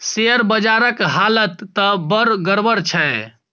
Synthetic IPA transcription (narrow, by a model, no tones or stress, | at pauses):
seəɾbəd͡ʒaɾəkɦalət̪ːəbəɾɡəɾbəɾt͡ʃʰɛe